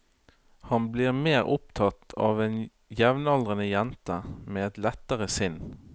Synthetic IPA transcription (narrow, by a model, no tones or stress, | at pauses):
hɑnbliːʁmeːʁʊp̚t̪ʰɑt̪ɑ̰ːʋeːn | jɛʋnɑldʁənəjɛnt̪əmeːɛt̪lɛt̪əʁəsʏnː